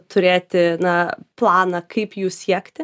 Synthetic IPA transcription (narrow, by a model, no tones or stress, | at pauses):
t̪ʰʊɾʲeːt̪ʲɪnɐplˠɑːnɐkʰɐɪpjuːssʲiɛkt̪ʲɪ